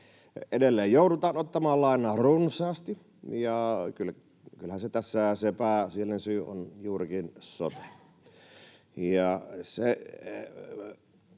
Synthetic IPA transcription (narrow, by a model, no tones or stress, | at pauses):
edelːeːjjoˑudut̪ɑːnot̪ːɑmɑːlːɑɑˑenˑɑːrunsˑɑːst̪i | jɑkyl | kylhænset̪æsːæsepæˑsielːensyːo̰njuːrikinso̰t̪ɑ̥ | jɑse